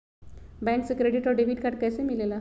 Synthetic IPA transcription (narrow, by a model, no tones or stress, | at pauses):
bɛ̃ŋkt͡səkɾeɽiʈɔɾɖeʋiʈkaʈ̚kajsemilela